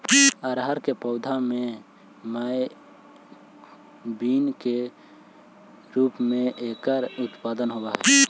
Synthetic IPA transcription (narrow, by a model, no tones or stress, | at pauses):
əɾɦəɾkepəʊd̪ʱame | məj | biːnke | ɾuːpmeʔekəɾʊt̪pad̪ənɦobaɦɛ